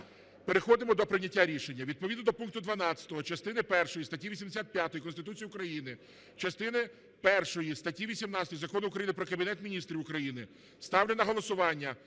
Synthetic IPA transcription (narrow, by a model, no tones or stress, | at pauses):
peɾexɔd̪ɪmɔd̪ɔpɾɪwnʲɐtʲːaɾʲiʃenʲːɐʋʲid̪̚pɔʋʲid̪nɔd̪ɔpunk̚t̪ʊd̪ʋɐnɑt͡sʲɐ̥t̪ɔɦɔt͡ʃɐst̪ɪnɪpɛrʃɔjist̪ɐtʲːiʋʲisʲimd̪esʲat̪̚pʲjat̪ɔjikɔnst̪ɪt̪ut͡sʲijʊukɾɐjinɪ | t͡ʃɐst̪ɪnɪ | pɛrʃɔjist̪ɐtʲiʋʲisʲimnɑt͡sʲɐt̪ɔjzɐkɔnʊʊkɾɐjinɪpɾɔkɐbʲinɛt̪mʲinʲist̪ɾʲiwʊkɾɐjinɪ | st̪ɑwlʲenɐɦɔlˠɔsʊʋɑnʲːɐ